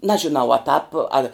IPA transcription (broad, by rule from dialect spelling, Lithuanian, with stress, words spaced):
ˈnɑːʒʲɪnɐʊ ɐ tɑːp ɐlʲ